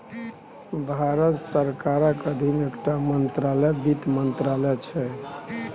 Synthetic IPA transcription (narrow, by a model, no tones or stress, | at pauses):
bʱaɾət̪səɾkaɾəkəd̪ʱinekʈamənt̪ɾalɛbit̪mənt̪ɾalɛt͡ʃʰɛ